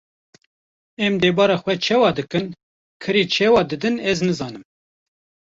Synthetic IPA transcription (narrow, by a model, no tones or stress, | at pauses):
ɛmd̪ɛːbɑːɾɑːxwɛt͡ʃʰɛwɑːd̪ɨkɨn | kʰɨɾiːt͡ʃʰɛwɑːd̪ɨd̪ɨnɛznɨzɑːnɨm